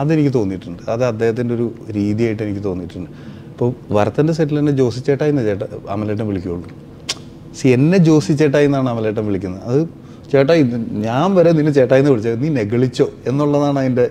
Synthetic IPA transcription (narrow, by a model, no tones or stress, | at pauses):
ɐðe̞nikʲːɨt̪o̞ːnːiʈːuɳɖɨɐðɨɐd̪ːe̞ːhɐt̪̬ːindeo̞ɾuɾiːðijaːjiʈːe̞nikʲːɨt̪o̞ːnːiʈːuɳɖɨ | ipːoːʋɐɾɐt̪ːɐndes̬etːilenːed͡ʑo̞ːsit͡ɕːeːʈːaːjinːɐt͡ɕeːʈːɐɐ̰mɐleːʈ̬ːɐmʋiɭikʲːujuɭːu | sienːe̞d͡ʑo̞ːsit͡ɕːeːʈ̬ːaːjinːaːɳɨɐmɐleːʈːɐmʋiɭikʲːunːɐɐðɨ | t͡ɕeːʈːaːjinːɨɲaːnʋɐɾeninːɨt͡ɕe̞ːʈːaːjinːɐpɐɭit͡ɕːaniːne̞ɣɐɭit͡ɕːo̞ːenːuɭːɐðaːɳɐðinde̞